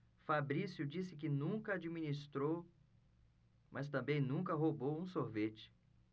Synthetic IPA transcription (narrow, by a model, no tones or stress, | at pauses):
fabɾisjʊd͡ʒisɪk̬ɪnũkɐad͡ʒimĩnist̪ɾow | mʔɐs̬t̪ɐ̃mbẽj̃nũŋkɐɦobowũsoɾvet͡ʃɪ̥